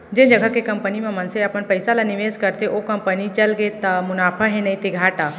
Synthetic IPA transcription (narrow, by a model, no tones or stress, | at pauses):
d͡ʒẽnd͡ʒəɡʱəkekɐmpənimẽmənseəpənpəjsalaniʋeːskəɾt̪eʔokɐmpənit͡ʃəlɡet̪ːəmʊnaːpʰəɦenəit̪eɡʱaːʈa